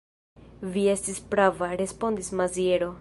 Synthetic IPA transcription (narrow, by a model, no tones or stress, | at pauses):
vie̞stispɾavaɾe̞spo̞ndismazieɾo